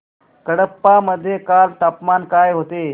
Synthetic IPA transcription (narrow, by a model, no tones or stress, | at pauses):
kəɽəpːaməd̪ʱːjekalt̪apmankajɦot̪e